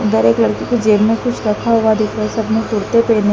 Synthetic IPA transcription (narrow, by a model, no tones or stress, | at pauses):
ʊnd̪əɾeːklɐɽkiked͡ʒeːmmẽkʊt͡ʃʰɾɐkʰaɦʊʋad̪ɪkʰɾaɛsɐbnõt̪ʊɽt̪epɛːnẽ